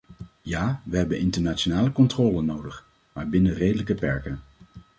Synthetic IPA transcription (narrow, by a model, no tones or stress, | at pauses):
jaːʋəɦɛbənʔɪntəɹnaːtt͡ʃonaːləkɔntrɔːlənːowdəχ | maːɹbɪnərejdələkəpɛɹkən